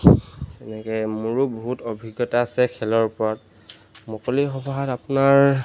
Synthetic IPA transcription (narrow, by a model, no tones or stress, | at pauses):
ɛnɛkɛmuɹubɔɦutobʱiɡjɔtaːsɛkʰɛlɔɹpɔɹat̚ | mɔkɔlixɔbɔɦatapʊnaɹ